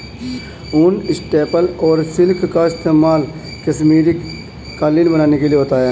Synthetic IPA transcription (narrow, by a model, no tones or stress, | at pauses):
ʊnɪsʈeːpəlɔːɾsɪlkkaɪst̪eːmaːl | kəsmiːɾi | kaːliːnbənaːnekelieɦoːt̪aɦɛː